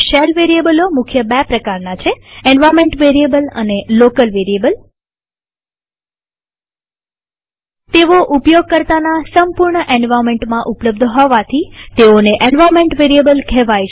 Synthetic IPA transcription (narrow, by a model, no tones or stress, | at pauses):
ʃelʋeɾiebəlomʊkʰjəbɛpɾəkaɾnat͡ʃʰeenʋaɾmeɳʈʋeɾiebələ̰nelokəlʋeɾiebəl | t̪eʋoʔupjoɡ̚kəɾt̪anasəmpuɾɳəʔenʋaɾmẽɳʈmãʔupləbd̪ʱɦɔʋat̪ʰit̪eoneʔenʋaɾmẽɳʈʋeɾiebəlkʰɛʋaj